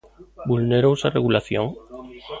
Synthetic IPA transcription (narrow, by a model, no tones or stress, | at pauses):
bulneɾowsareɣulaθjoŋ